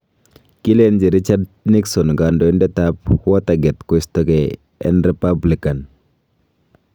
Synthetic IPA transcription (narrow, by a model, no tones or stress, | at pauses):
kilend͡ʒiɾit͡ʃadniksɔnɡandɔindɛt̪apwat̪aɡɛt̪kost̪ɔkɛ | ɛ̰nɾipablikan